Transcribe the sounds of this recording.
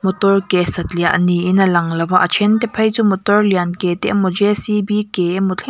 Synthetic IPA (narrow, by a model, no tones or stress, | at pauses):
mɔt̪ɔrkɛsɐt̪liaʔniʔinɐlɐŋlɐwaʔət͡ʃʰɛnt̪ɛpʰɐjt͡sumɔt̪ɔrliankɛt̪ɛʔmɔd͡ʒɛsibikɛmʊt͡ɬʰi